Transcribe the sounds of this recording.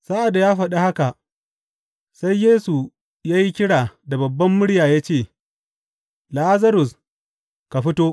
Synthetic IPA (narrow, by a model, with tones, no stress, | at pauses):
sa˦ʔa˨da˨jaː˦ɸɐ˨ɗa˦ha˦ka˨ʔ | sa˦jːeː˦su˨ | jaː˦ji˦kʲɪ˦ɽaː˨da˨bɐ˨bːɐ˦mːʊ˦ɽjaː˨jaː˦t͡ʃeː˦˨ | la˦ʔa˦zɐ˦ɾʊ˨s | ka˨ɸɪ˦toː˦